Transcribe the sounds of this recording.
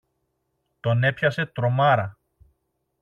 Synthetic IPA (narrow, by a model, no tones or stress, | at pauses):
t̪o̞ne̞pçɐse̞t̪ɾo̞mɐɾɐ